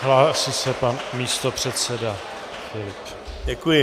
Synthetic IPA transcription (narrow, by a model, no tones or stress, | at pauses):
ɦlaːsɪsɛpanmiːst̪o̞pr̝̥ɛt̪sɛda | fɪlɪp | ɟɛkujɪ